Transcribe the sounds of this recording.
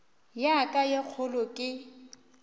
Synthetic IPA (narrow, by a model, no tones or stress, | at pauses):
jakʼajek͡xʰʊlɔkʼɪ